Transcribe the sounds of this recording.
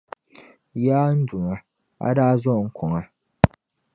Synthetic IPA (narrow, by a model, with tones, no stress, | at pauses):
jaː˦n̩˦d͡ʒʊ˨ŋa˨ | a̰˦daː˦zɔ˦˨ŋ̩˦kʰɔ˨ŋa˨